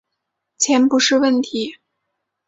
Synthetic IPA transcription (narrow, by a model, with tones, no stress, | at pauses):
t͡ɕʰjɛ˧˥npu˧˥ʂɻ̩˥˧wə˥˩nt̪ʰi˧˥